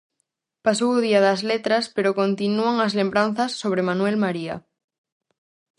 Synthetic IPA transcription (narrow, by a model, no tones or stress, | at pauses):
pasowuðiaðazlet̪ɾaspeɾoko̞nt̪inuaŋazle̞mbɾanθasːo̞β̞ɾemãnwe̞lmaɾia̰